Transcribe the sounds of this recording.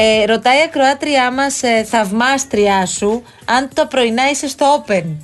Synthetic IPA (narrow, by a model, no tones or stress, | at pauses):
eɾo̞t̪ɐiɐkɾo̞ɐt̪ɾiɐmɐsθɐvmɐst̪ɾiɐsu | ɐnt̪t̪ɐpɾo̞inɐise̞st̪oo̞pe̞n